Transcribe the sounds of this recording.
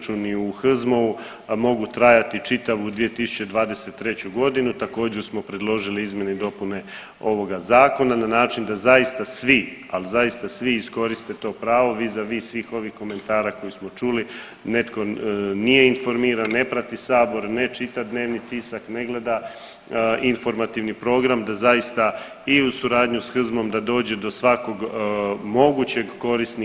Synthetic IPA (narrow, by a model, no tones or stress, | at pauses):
t͡ʃuniuxr̩zmo̞u | mo̞ɡut̪ɾajat̪it͡ʃit̪aʋoud̪ʋije̞t̪isu̥t͡ɕe̞d̪ʋaːd̪e̞se̞t̪ːɾe̞t͡ɕuɡo̞d̪inut̪ako̞ːd͡ʑeɾsmo̞pɾed̪lˠo̞ʒiliizmje̞ned̪o̞pune̞ | o̞ʋo̞ɡazaːko̞nananaːt͡ʃind̪azaist̪asʋi | alzaist̪asʋiːsko̞ɾist̪et̪o̞ːpɾaːʋo̞ʋiːzaʋiːsʋiːxo̞ʋixko̞me̞nt̪aːɾako̞jusmo̞t͡ʃuli | ne̞t̪ko̞nije̞info̞ɾmiːɾanːe̞pɾat̪isaːbo̞ɾne̞t͡ʃit̪aʋd̪ne̞ːʋnit̪iːsakne̞ɡle̞d̪a | ʔinfo̞ɾmat̪iʋnipɾo̞ːɡɾamd̪azajist̪a | iusuɾaːd̪ɲusxr̩zmo̞md̪ad̪o̞ːd͡ʑe̞d̪o̞sʋako̞ɡmo̞ɡut͡ɕe̞ɡko̞ɾisni